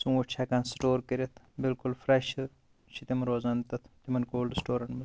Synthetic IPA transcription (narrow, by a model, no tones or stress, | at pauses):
suŋɐʈt͡ʃʰaːkaːnsʈoːɾkəɾet̪ʰ | bilkulfɾɐʃ | t͡ʃʰit̪imɐɾoːzant̪ɐt̪ʰt̪imɐnkoːlɖsʈoːɾɐɳʈmɐ